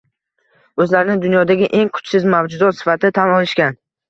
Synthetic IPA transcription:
ɵzlaɾɪnɪd̪ʊnjɒd̪aɡʲɪʔe̞ŋkʰʊ̥t͡ʃsɪzmavd͡ʒʊzɒt̪sɪ̥fat̪ʰɪɪt̪ʰamɒlɪʃkʲan

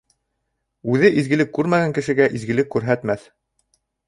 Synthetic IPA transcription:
ʉðɘʔizɡɘ̆lɘkːʉɾmæɣæŋkɘ̆ʃɘ̆ɡæʔizɡɘ̆lɘkːʉɾɦæt̪mæθ

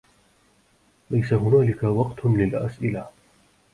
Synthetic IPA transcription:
lajsaɦʊnaːlɪkawɑqt̪lɪlʔa̰sʔɪla

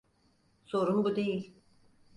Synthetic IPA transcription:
so̞ɾumbud̪e̞jilʲ

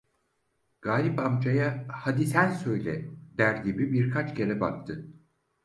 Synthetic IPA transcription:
ɡ̥aːlʲipamd͡ʒajahad̪isænʲsø̞jlʲɛd̪æɾɟʲibibiɾkʰat͡ʃcʰe̞ɾɛba̰k̚t̪ʰɯ

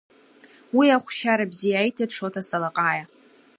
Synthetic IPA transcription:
wiaχʷʃaɾabzijaːjtʰaʈ͡ʂʰotʰasalaqʼaːja

